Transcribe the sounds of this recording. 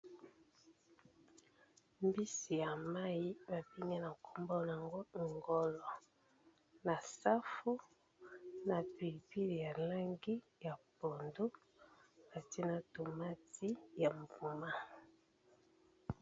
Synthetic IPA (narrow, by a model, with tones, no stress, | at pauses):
mbi˦si˨ja˨ma˦ji˦ba˨bi˦ŋi˦na˨kʰo˦mbɔ˦la˨ŋɡo˦˨ŋɡɔ˨lɔ˨ | na˨sa˦fu˦ | na˨pi˨li˨pi˦le˨ja˨la˦ŋɡi˦ | ja˨po˨ndo˦ | na˨ti˦na˨to˨ma˦ti˦ja˨m˨vu˨ma˦